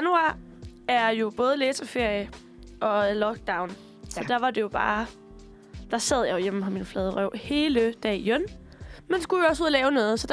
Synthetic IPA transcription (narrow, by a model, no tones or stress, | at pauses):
ænuɑ̰̈ | æɐjo̝b̥ɔ̽ːð̞ˠleːsɐfe̝ɐ̰jə | ʔɒ̽lɒ̽ɡ̥̚d̥ɑ̈ʊn | ɒ̽d̥æʋɑ̈d̥e̝jo̝b̥ɑ̰̈ː | d̥ɑ̈sæð̞̰ˠjɑ̈jo̝jemm̩hɑminəflɛːð̞ˠʁœʊhe̝ːləd̥ɛ̰jøn | mend̥esɡ̥ujo̝ɒ̽suðˠlɛːʊnɔ̽ːð̞̩ˠsɒ̽d̥